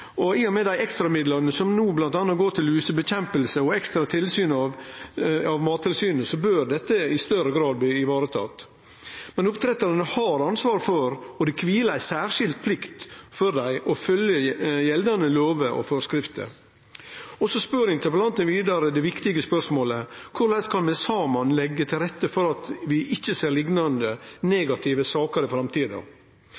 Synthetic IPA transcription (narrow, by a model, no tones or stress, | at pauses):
ɔɪnːʊmɛd̪æɪɛkst̪ɾɑmɪd̪lɑɾnəsɔmnuːblɑnt̪ɑːnːɑɡoːʈ̪ʰɪlyːsəbəçɛmpəlsəɔɛkst̪ɾɑt̪ʰɪlsyːnɑʋ | ɑʋmɑːt̪ʰːɪlsyːnəsɔbøɾd̪ɛt̪ːəɪst̪œɾəɡɾɑːd̪̚b̪iːɪʋɑːɾət̪ʰɑ̰ːt̪ | mɛnʊpt̪ʰɾɛt̪ːɑɾnəhɑɾɑnsʋɑːɾfɔɾɔd̪ɛkʰʋiːləæɪsæːɾʂɪlt̪̚pʰlɪkt̪fɔd̪æɪʔɔfœljəjɛld̪ɑnəloːʋəʔɔ̰fɔːɾskɾɪft̪ə̰ | ɔsɔspøɾɪŋt̪ʰəpəlɑnt̪ənʋiːd̪ɑɾəd̪ɛʋɪkt̪ɪɡəspœʂmoːləkʰʊɾɭɛskʰɑnmɛsɑːmɑnlɛɡːət̪ʰɪlɾɛt̪ːəfɔɾɑt̪ʋɪʔɪçːəseːɾɭɪɡnɑnd̪əneːɡɑt̪ʰɪʋəsɑːkəɾɪfɾɑmt̪iːd̪ə̰